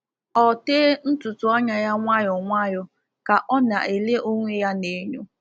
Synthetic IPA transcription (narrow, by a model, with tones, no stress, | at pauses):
ɔ˨teː˦n̩˦tʊ˨tʊ˨˦a˦ɲa˨ja˦ŋʷa˦jɔ˨ŋʷa˦jʊ˨ | ka˨ʔɔ˦na̰˨ʔe˨le˦ʔo˦ŋʷe˦ja˦ne˨˦ɲo˦